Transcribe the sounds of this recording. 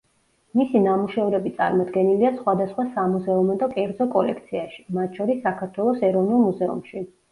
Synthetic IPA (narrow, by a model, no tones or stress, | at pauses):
misinamuʃɛvɾɛbit̪sʼa̰ɾmɔd̪ɡɛniliasχwad̪asχwasamuzɛumɔd̪ɔkʼɛɾd̪zɔkʼɔlɛ̰kʰt̪sʰiaʃi̥mat̪ʰʃʰɔɾisːakʰaɾt̪ʰwɛlˠɔsɛɾɔvnulˠmuzɛṵmʃi